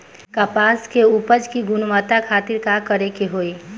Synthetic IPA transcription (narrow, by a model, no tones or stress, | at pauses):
kapaskeupəd͡ʒkiɡunmət̪akʰat̪iɾkakəɾekeɦoi